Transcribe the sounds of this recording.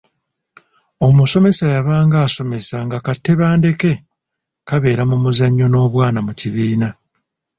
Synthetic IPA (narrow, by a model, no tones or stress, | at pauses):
o̞muso̞me̞sajaβaːŋɡaːso̞me̞saŋɡakatːe̞βaːnde̞ke̞ | kaβe̞ːɾamumuzaɲːo̞no̞ːβwaːnamuciβiːna